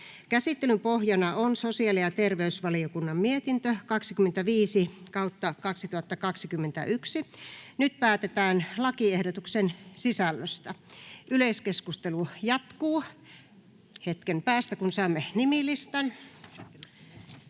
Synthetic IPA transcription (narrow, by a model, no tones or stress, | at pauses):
kæsit̪ːelympohjɑnɑonsosiɑlijɑt̪erʋeysʋɑliokunːɑmmiet̪int̪økɑksikymːˑent̪æʋiːsikɑut̪ːɑkɑksit̪uhɑt̪ːɑkɑksikymːent̪æ̰ʔyksinyt̪̚pæːt̪et̪æːnlɑkiehdot̪uksensisælːøst̪ɑʔyleiskeskust̪elujɑt̪kuː | het̪kempæːst̪ækunsɑˑːmːenimilist̪ɑn